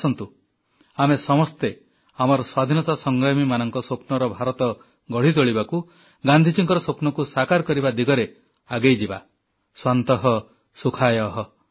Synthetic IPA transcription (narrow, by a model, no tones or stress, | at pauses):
sɔnt̪u | amesɔmɔst̪e | amɔɾɔswad̪ʱinɔt̪asɔŋɡɾamimanɔŋkɔsopnɔɾɔbʱaɾɔt̪ɔ | ɡɔɽ̤it̪oɭibaku | ɡand̪ʱit͡ʃiŋkɔɾɔsopnɔkusakaɾkɔɾibad̪iɡɔɾe | aɡejd͡ʒiba | swant̪ɔɦɔ | sukʰajɔɦɔ